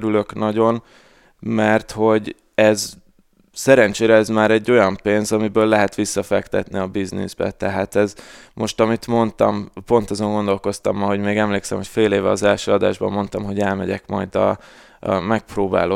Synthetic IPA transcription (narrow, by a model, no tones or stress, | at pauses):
ɾylø̞knɒɟo̞n | mɛrt̪ho̞ɟ | ɛz | sɛɾɛnt͡ʃeːɾɛɛzmaːɾɛɟːo̞jɒmpeːnzɒmibøːlːɛɦɛt̪ʋisːɒfɛkt̪ɛt̪niɒbiznḭzbɛ̰t̪ɛɦaːt̪ɛzmo̞ʃt̪ɒmit̪mo̞nt̪ɒ̰mpo̞n̪t̪ɒzo̞ŋɡo̞nd̪o̞lko̞st̪ɒ̰mɒɦo̞ɟmeːɡɛmleːksɛ̰mho̞cfeːleːvɛɒzɛlʃøːɒd̪a̰ːʒbɒ̰mːo̞nt̪ɒmɦo̞ɟɛlmɛɟɛ̰kmɒ̰jd̪ɒ̰ | mɛk̚proːba̰ːloː